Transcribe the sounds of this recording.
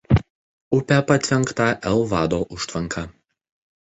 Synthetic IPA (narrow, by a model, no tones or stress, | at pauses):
ʊpʲɛpɐt̪ʲʋʲɛŋˑkt̪ɐʔɛlˠʋɑːd̪oːʔʊʃt̪ʲʋʲɐŋˑkʰɐ